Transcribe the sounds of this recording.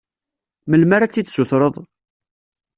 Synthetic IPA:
məlmaɾat͡sːiθsuθɾˤəðˤ

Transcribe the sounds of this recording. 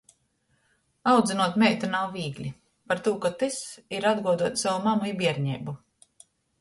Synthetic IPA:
awd̪zinuɔt̪mʲɛjt̪anawviːɡlʲi | paɾt̪uːkat̪ɨsiɾad̪ɡuɔd̪uɔt̪sawumamuibʲiɛɾɲɛ̰bu

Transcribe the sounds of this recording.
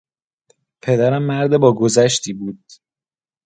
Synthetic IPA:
pʰe̞d̪æɾæmːæɾd̪ebɒːɡozæʃt̪ʰiːbuːd̪̥

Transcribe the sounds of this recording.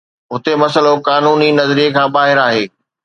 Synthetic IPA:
ɦʊt̪emɐsəlokaːnuːninɐzɾiekʰãːbaːɦɪɾaːɦeː

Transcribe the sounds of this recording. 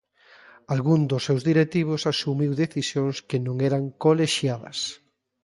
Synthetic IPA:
alɣuŋd̪ʊsːewzðiɾet̪iβ̞ʊsasumiwðeθisjõŋskenõŋɛɾaŋkoleʃjaðɐ̰s

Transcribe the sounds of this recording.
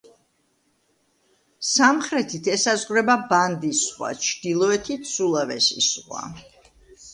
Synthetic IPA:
samχɾɛt̪ʰit̪ʰɛsazʁɾɛbaband̪isχwa̰t͡ʃʰd̪̥ilˠɔɛt̪ʰit̪sulˠavɛsḭsχwa̰

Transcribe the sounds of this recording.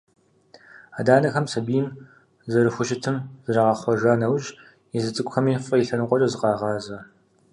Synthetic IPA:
aːdaːnɐxɐmsɐbiːn | zɐrɨxʷʊʃɪtʰɨmzɨrɐʁɐχʷɔʒaːnɐwʒ | izɨt͡sʼɨkʷʼxɐmiːfʼɐjiɬɐnɨqʷɔt͡ʃʼɐzɨqɑːʁɑːzɐ

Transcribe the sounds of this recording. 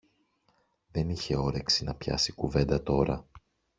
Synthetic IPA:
ðe̞niçe̞o̞ɾe̞ksinɐpçɐ̰sikuve̞nd̪ɐt̪o̞ɾɐ̰

